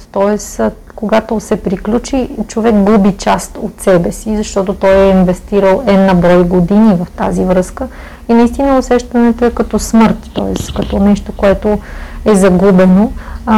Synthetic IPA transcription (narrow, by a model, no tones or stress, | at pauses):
t̪ɔɛs | koɡat̪osɛpɾiklʲut͡ʃit͡ʃovɛkɡubit͡ʃast̪ot̪sɛbɛsizɐʃt̪ɔt̪ot̪ɔjɛinvɛst̪iɾəlˠɛnɐbɾɔjɡod̪inivɐft̪azivɾɤskə | inɐist̪inəosɛʃt̪ɐnɛt̪oɛkɐt̪ɔsmɤɾt̪ːɔɛskɐt̪ɔnɛʃt̪okoɛt̪oɛzɐɡubɛno